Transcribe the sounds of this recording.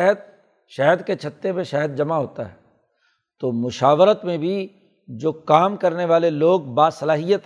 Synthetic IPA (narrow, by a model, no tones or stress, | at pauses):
ɦəd̪̚ | ʃɛɦəd̪ket͡ʃʰɐt̪ːebẽʃɛɦəd̪̚d͡ʒɐmaɦoːt̪a̰ɦɛː | t̪oːmʊʃaːʋəɾət̪mẽbʱi | d͡ʒoːkaːmkɐɾneʋaːleloːɡ̚baːsɐlaːɦijət̪